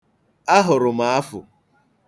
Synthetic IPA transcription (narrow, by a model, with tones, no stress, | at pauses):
a˦ɦʊ˨ɾʊ˨ma˨a˦fʊ̰˨